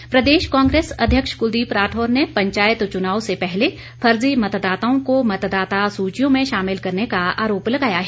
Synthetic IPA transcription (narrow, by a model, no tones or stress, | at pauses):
pɾɐd̪eːʃkãːŋɡɾeːsɐ̰d̪ʱjəkʃkʊd̪iːpɾaːʈʰoːɾnepɐ̃ɲt͡ʃaːjɪt̪t͡ʃʊnaːosepɛɦle | fʰɐɾzimɐt̪d̪aːt̪aõkomɐt̪d̪aːt̪asuːt͡ʃijõmẽʃaːmɪlkɐɾnekaa̰ːɾoːplɐɡaːjaɦɛː